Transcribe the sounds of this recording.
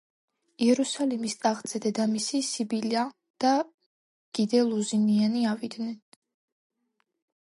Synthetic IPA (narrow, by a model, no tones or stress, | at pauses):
iɛɾusalimist̪ʼaʁd̪zɛd̪ɛd̪amisisibilia | d̪̥a | ɡ̥id̪ɛlˠuzinianiavid̪nɛn